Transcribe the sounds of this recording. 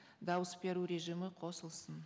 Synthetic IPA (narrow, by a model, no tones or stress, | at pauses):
d̪ɑwəsbe̞ɾuɾe̞ʒimɪqʰo̞səlˠsən